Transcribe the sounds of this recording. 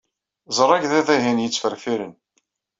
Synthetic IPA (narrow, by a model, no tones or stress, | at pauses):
zˤəɾˤːɑɡðæðæɦænjət͡sːfəɾfiɾən